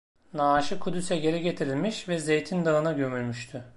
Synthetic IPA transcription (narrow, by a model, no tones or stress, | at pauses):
naːʃɯkʰud̪ysɛɟe̞ɾɛɟe̞t̪ʰiɾilʲmiʃvɛze̞jt̪ʰind̪aɯnaɟø̞mylʲmyʃt̪ʰy